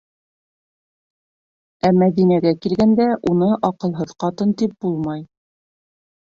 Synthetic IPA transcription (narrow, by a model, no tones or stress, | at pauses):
æmæðinæɡækilɡænd̪æʔunɤʔɑqɤ̆lˠɦɤðqɑt̪ɤnt̪ip̚bulˠmɑj